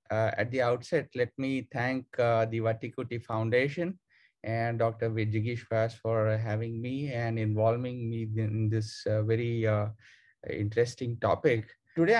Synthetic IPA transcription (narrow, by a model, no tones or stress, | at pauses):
ɛ̰ʈ̚d̪iaʊʈsɛʈ̚lɛʈ̚mit̪ʰæ̃ŋkd̪iʋaʈikʊʈifãʊ̃ɳɖeːʃə̃n | ʔɛ̃ɳɖɔːk̚ʈəɾʋɪd͡ʒɪɡiʃfasfɔːɾɦæʋɪ̃ŋmiːɛ̃ɳɖɪ̃nʋɔːlʋɪ̃ŋmiːɪ̃nd̪ɪsʋɛɾi | ɪ̰̃ɳʈɾesʈɪ̃ŋʈɔ̰ːpɪk | ʈʊɖe